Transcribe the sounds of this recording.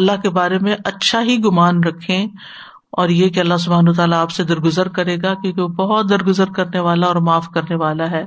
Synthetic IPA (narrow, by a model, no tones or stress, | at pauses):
ɐlːaɦkebaːɾemẽʔɐtːʃʰaɦiɡʊmaːnɾɐkʰːẽ | ɔːɾjekeɐlːas̬ʊbʱaːnaːt̪aːlaːpsed̪ɐɾɡʊzəɾkɐɾeːɡakjõːkeʋobɐɦʊt̪̚d̪ɐɾɡʊzəɾkɐɾneʋaːlaɔːɾmaːfkɐɾneʋaːlaɦɛː